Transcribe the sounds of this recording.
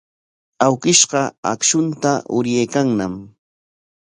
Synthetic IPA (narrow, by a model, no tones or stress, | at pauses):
awkɪʃɢɑa̰kʃʊnt̪aʔʊɾjajkaŋnam